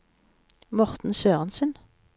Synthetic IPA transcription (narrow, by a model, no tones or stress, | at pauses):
mɔʁt̪n̩søːʁənsʉn